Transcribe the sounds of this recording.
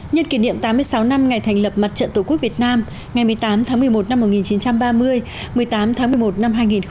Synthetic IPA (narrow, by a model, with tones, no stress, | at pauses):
ɲə˧nki˨˩nḭ˧˨əmt̪aː˨˦mɨ˧əjsa˨˦wna˧mŋa˨˩jt̪ʰɛ˨˩ŋ̟lə˨˩p̚ma˨˩t̚t͡ɕə̰˧˨nt̪o˧˩ku˦˥ək̚vi˨˩ət̚naː˧m | ŋa˨˩jmɨ˨˩əjt̪aː˨˦mt̪ʰaː˨˦mɨ˨˩əjmo˨˩t̚na˧mːo˨˩t̚ŋi˨˩nt͡ɕi˨˦nt͡ɕa˧mɓaː˧mɨ˧əj | mɨ˨˩əjt̪aː˨˦mt̪ʰaː˨˦ŋmɨ˧˩əjmo˨˩t̚na˧mɦaː˧jŋi˨˩n